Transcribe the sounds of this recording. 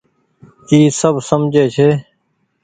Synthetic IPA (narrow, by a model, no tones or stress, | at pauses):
t͡ʃiːsəbsəmd͡ʒeːt͡ʃʰeː